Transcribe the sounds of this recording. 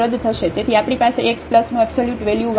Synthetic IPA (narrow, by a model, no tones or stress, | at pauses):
ɾəd̪t̪ʰəʃed͡ʒ̪et̪ʰiapɽ̃ipaseʔekspləsnũɛbsoljuʈʋɛljuʋ